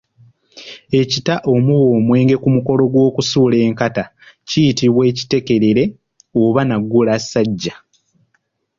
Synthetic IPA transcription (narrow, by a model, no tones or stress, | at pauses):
e̞citaʔo̞muwo̞ːmwe̞ːŋɡe̞kumuko̞lo̞ɡwo̞ːkusuːle̞ːŋkata | cijitiβwe̞ːci̥te̞ke̞ɾeɾe̞ | oβanaɡːulasːaɟːa